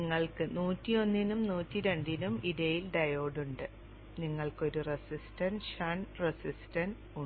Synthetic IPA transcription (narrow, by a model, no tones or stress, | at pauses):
ŋːɐɭkɨnuːtːio̞nːinumnuːtːiɾe̞ɳɖinumiðejilɖɐjo̞ːɖuɳɖɨ | niŋːɐɭko̞ɾuresistɐnɕɐɳresistɐn | u